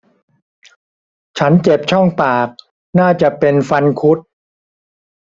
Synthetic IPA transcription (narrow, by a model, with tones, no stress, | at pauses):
t͡ɕʰa˦˥nt͡ɕe˨˩p̚t͡ɕʰɔ˥˩ŋpaː˨˩k̚ | naː˥˩t͡ɕa˨˩pe˧nfa˧nkʰu˦˥t̪̚